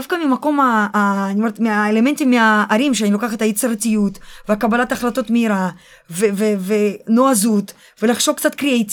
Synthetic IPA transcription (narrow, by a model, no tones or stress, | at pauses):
afkamimako̞maːnioɾt̪meaelement̪imːeaʔːɾimʃeanilo̞kaχathajet͡seɾatijutveakabalat̪aχlato̞tmeiɾa | veveveno̞azut̪ | ve̞laχʃo̞vkt͡sat̪kɾiejt